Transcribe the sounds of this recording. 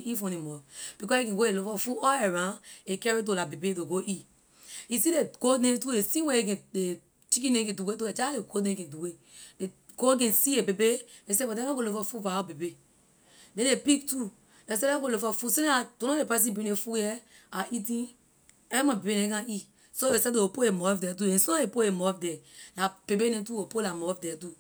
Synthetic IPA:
ifɔ̃nimɔb̥ikɔekɛ̃ɡoelofɔfuɔeɾãekɛɾet̬olabebetoɡoʔi | isideɡonẽtuesĩweekɛ̃e | t͡ʃikĩnẽẽduwetoed͡ʒaleɡonẽkɛ̃duwe | de | ɡ̥oɡɛ̃siebebeles̬ebɔdɛ̃aɡolofɔfuvaabebe | dɛ̃nlepik̚tu | les̬ɛɛɡolofɔfusinatõnɔ̃lepas̬ĩbĩnefujɛ | aʔitĩ | ɛmãbebenɛ̃kãi | soesɛdeopoemɔfdɛt̬uɛ̃sɔaepoemɔfdɛnab̥ebenɛ̃tuopolamɔfdɛtu

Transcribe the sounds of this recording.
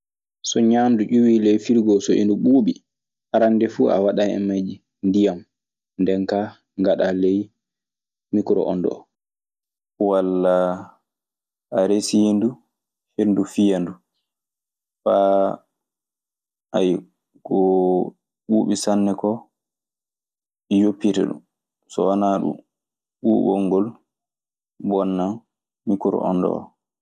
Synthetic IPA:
sɔɲanduʔuwiːlɛjfiɾɡɔsoʔḭnduɓuːɓi | haɾandɛfuːa̰waɗajɛ̰mad͡ʒi | ndijam | ndɛnka | ŋɡaɗalej | mikɾɔ̰ʔɔ̰ndɔ̰ | walːa | aɾesiindu | hendufijandu | fa | aj | ɡɔ | ɓuːɓisanːɛkɔ | ɓijopːitɛ̰ɗṵm | sɔwanaɗṵm | ɓuːbɔŋːɡɔl | bɔnːanː | ikuɾɔ̰ʔɔ̰ndɔ̰ɔ̰

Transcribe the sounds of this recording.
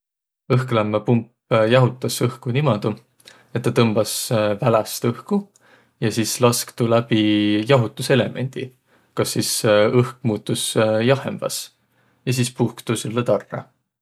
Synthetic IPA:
ɤhklæmːɑpump | jɑɦut̪ˑːɑsɤhkunimɑd̪̥u | e̞t̪ːɑt̪ɤmb̥ɑsvælæst̪ɤhku | jɑsiːslɑskt̪ulæb̥ijɑɦut̪ːˑuse̞le̞mʔe̞̰nʲd̪̥i | kɑsːiːsɤhk̚muːt̪ːˑusjɑhemb̥ɑ̰s | jɑs̬iːspuhkt̪usulːet̪ɑrːɑ̰

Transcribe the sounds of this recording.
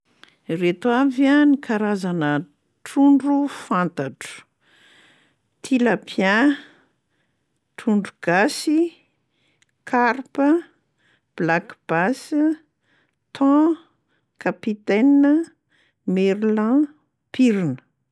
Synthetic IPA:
ret̪wavanikʰaɾazanə | ʈ͡ʂuɳɖ͡ʐufãnt̪aʈ͡ʂə̥ | t̪ʰilapʰjã | t̪ʰuɳɖ͡ʐuɡ̥asi | kʰaɾpə | b̥lakb̥as | t̪ʰɔ̃ | kapit̪ɛnːə | meɾlã | piɾinə̥

